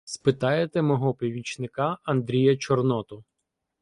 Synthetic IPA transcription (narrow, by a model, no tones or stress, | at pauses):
spɪt̪ɑjet̪ɛmɔɦɔpʲiʋʲit͡ʃnɪkɑɐnd̪ɾʲijɐt͡ʃɔrnɔt̪ɔ